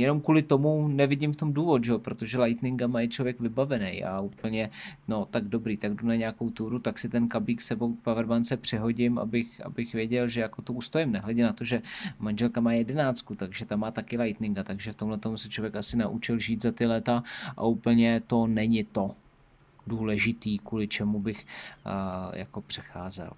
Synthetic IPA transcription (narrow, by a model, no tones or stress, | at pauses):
jɛno̞mkuːlɪt̪o̞munɛvɪɟɪmft̪o̞mduːvot̪ʒɛopɾo̞t̪o̞ʒɛlajt̪nɪŋɡamajɪt͡ʃlo̞vjɛkvɪbavɛnɛjʔa̰uːpl̩ɲɛno̞t̪aɡdo̞bɾiːt̪aɡdunaɲɛakowt̪uːɾut̪aksɪt̪ɛnkabliːksɛbopavɛɾmant͡sɛpr̝̥ɪɦo̞ɟɪma̰bɪxʔa̰bɪxvjɛɟɛlʒɛjako̞t̪ouːst̪ojɪmnɛɦlɛɟɛnat̪oʒɛmanʒɛlkamaːjɛdɛnaːt͡skut̪aɡʒɛt̪amːaːt̪akɪlajt̪nɪŋɡat̪aɡʒɛft̪o̞mlɛt̪o̞msɛt͡ʃlo̞vjɛkʔasɪnaʔut͡ʃɪlʒiːt̪zat̪ɪlɛt̪aʔa̰uːpl̩ɲɛt̪o̞nɛɲɪt̪o̞ | duːlɛʒɪt̪iːkuːlɪt͡ʃɛmubɪx | jʔa̰ko̞pr̥ɛ̥xaːzɛ̰l